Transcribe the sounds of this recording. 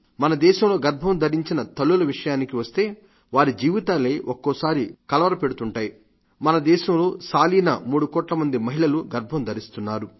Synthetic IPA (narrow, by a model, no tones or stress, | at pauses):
mɐnɐd̪ɛːʃɐmlo̞ːɡɐɾbʱɐmd̪ʱɐɾiɲt͡ʃinɐt̪ɐlːulɐʋiʂɐjaːnikiʋɐst̪e̞ː | ʋaːɾid͡ʒiːʋit̪aːleːʔokːɔːsaːɾikɐlɐʋɐɾɐpe̞ɽut̪uɳʈaːji | mɐnɐd̪ɛːʃɐmlo̞ːsaːliːnɐmuːɽukɔːʈlɐmɐnd̪imɐɦilɐluɡɐɾbʱɐmd̪ʱɐɾist̪unːaːɾu